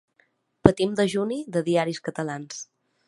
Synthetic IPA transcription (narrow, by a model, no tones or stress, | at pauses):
pət̪imd̪əʒuniðəðiaɾiskət̪əlans